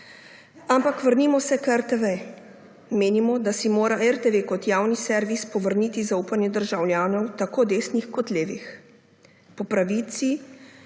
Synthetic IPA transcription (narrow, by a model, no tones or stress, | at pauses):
ampakʋəɾnimɔsɛkɛɾt̪eʋe | meːnimɔd̪asimoːɾaʔɛɾt̪eʋekɔt̪jaːwnisɛɾʋispɔʋəɾnit̪izauːpanjɛd̪əɾʒawljaːnɔwt̪akoːd̪eːsnixkɔt̪leːʋḭx | pɔpɾaʋiːt̪si